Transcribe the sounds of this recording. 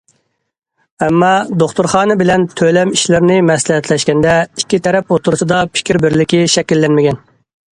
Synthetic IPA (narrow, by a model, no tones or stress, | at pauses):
ɛmːɑd̪oχt̪uɾχɑːnɨbɪlɛnt̪ʰølɛmiʃlɪɾɪnɪmɛslɪɦɛt̪ʰlɛʃkʲɛnd̪ɛikʲːit̪ʰɛɾɛpot̪ʰʊɾusɨd̪ɑpʰɪ̥kʲiɾbɪɾlɪkʲiʃɛkʲilːɛnmɪɡʲɛn